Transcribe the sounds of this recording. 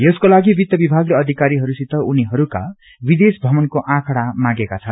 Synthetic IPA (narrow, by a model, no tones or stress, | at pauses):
jʌskolaɡibit̪jʌbibʱaɡleʌd̪ʱikaɾiɦʌɾusit̪ːʌuniɦʌɾuka | bid̪esbʱʌmʌnkoʔãkʰɽamãɡekat͡sʰʌn